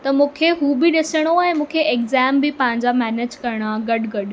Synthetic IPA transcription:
t̪ɐmũːkʰeɦuːbɪɗɪsəɽ̃oɛ̃ːmũːkʰeeːkzɛːmbɪpɐ̃ɦɪ̃ɲd͡ʑamɛːneːd͡ʑkɐɾɪɽ̃aɡɐɖɡɐɗ

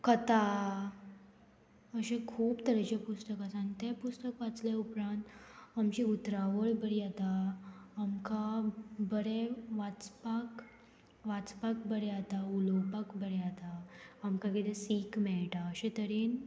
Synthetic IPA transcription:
kət̪a | əɕẽkʰuːbt̪əɾɛt͡ɕepust̪əkasãnt̪epust̪əkʋat͡sleupɾãnt̪amt͡ɕiut̪ɾaʋəɭbəɾiat̪aː | mkabəɾeʋat͡spak | ʋat͡spak̚bəɾɛat̪aulopəkbəɾɛat̪aamkakit̪esikmɛɭʈaəɕẽt̪əɾen

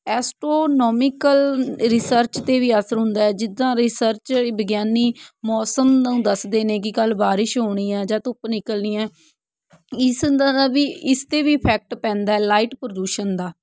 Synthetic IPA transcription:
ɛːsʈɾoːnɔːmɪkəlɾɪsəɾt͡ʃt̪eːʋiːəsəɾɦʊ̃nd̪aːɛːd͡ʒɪd̪ãːɾɪsəɾt͡ʃːbəɡjaːniːmɔːsəmd̪ũːd̪əsd̪eːnẽːkɪkəlbaːɾɪʃɦoːɽ̃iːɛ̃ːd͡ʒãːt̪ʊpnɪkəlniːɛ̃ː | ɪsaːʋiːɪst̪eːʋiːpʰɛːk̚ʈpɛ̃ːnd̪aːɛːlaːɪʈpɾəɖuːʃənd̪aː

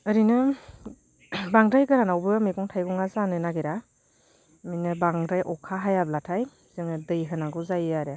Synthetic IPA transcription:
ɯɾinɯ | baŋdɾajɡɯɾanawbɯmiɡɔŋtʰajɡɔŋazanɯnaɡeɾa | minɯbaŋdɾajʔɔkʰaɦajablatʰaj | z̥ɯŋɯdɯjɦɯnaɡɯwzajɯaɾe

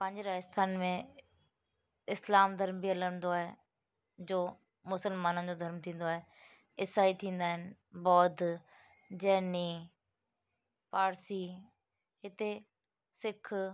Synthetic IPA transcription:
pə̃ɲd͡ʑɾaːəst̪ʰaːnmẽ | ɪslaːmd̪ʱəɾmbiələɽ̃nd̪oaːɦe | d͡ʑoː | mʊsəlmaːnə̃nd͡ʑod̪ʱɐɾmt̪ʰĩːn̆d̪oaːɦe | ɪsaːit̪ʰĩːn̆d̪aːɦɪnɪbɔːt̪ | d͡ʑɛɦniː | paːɾsiː | ɦɪt̪e | sɪkʰ

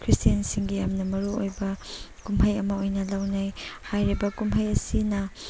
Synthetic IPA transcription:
kʰɾistijɐnsiŋɡijamnɐmɐɾuojbɐ | kumɦɐjɐmɐojnɐlawnajhajɾibɐkumɦɐjɐsinɐ

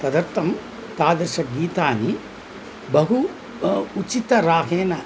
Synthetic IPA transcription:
t̪ɐd̪ɐɾt̪ɐm | t̪aːd̪ɐɾʃɐɡiːt̪aːni | bɐɦu | ut͡ʃit̪ɐɾaːɦeːnɐ

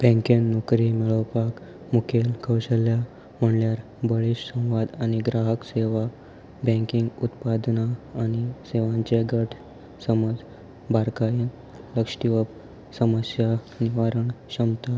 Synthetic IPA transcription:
b̥ʱɛ̃ŋkenːukɾimɛɭəwpak | mukʰelkʰəwɕəlja | m̤əɳljaɾ | bəɭiɕsə̃w̃ʋad̪aɽ̃iɡɾaɦəkseʋa | bɛ̃ŋkiŋɡut̪pad̪naːɽ̃iseʋãɲt͡ɕeɡəʈʰ | səməd͡z | bʱaɾkain | ləkʂʈiʋəp | səməsja | niʋaɾəɳɕəmt̪a

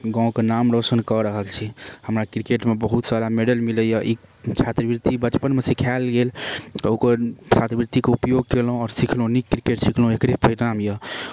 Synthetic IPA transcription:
ɡãõkenamɾosənkəɾəɦəlt͡ʃʰihəmɾakɾikeʈmebəɦut̪saɾameɖəlmiləjəʔit͡ʃʰat̪ɾbiɾt̪ibət͡ʃpənmesikʰalɡelt̪okət͡ʃʰat̪ɾəbiɾt̪ikeupjoɡ̚kelɦũɔːɾsikʰlɦũnikːɾikeʈsikʰlɦũekɽepəɾiʈamjə

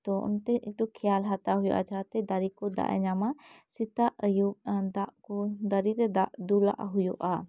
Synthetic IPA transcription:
t̪ɔʔɔ̰nt̪ɛiʈɔkʰɛjalɦat̪aɦujɔ̰ʔa̰d͡ʒat̪ɛd̪aɾikɔd̪a̰ʔɛ̰ɲamasit̪aʔəjud̪aʔkɔd̪əɾiɾɛd̪aʔd̪ula̰ʔaɦujɔʔa

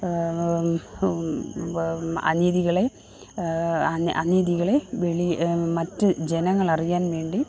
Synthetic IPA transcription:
ɐ̰niðiɣɐɭe | ʔɐ̰niðiɣɐɭe̞ʋeɭimɐtːɨd͡ʑenɐŋːɐɭɐrijaːnʋe̞ːɳɖi

